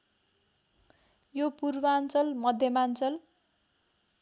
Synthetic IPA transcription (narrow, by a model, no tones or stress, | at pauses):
jopurbʌant͡sʌlmʌd̪ʱjʌmant͡sʌl